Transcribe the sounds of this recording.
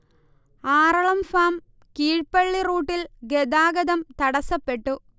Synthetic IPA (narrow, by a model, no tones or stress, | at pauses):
aːrɐɭɐmfaːm | kiːɻpɐɭːiruːʈːilɡed̪aːɡɐðɐmt̪ɐɽɐsɐpːeʈːu